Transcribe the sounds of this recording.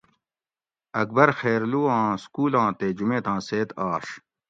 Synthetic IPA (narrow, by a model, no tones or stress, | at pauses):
ɐk̚bɐɾxeːɾluːãːskuːlãːt̪eːd͡ʑumẽːt̪ãːseːt̪aːʂ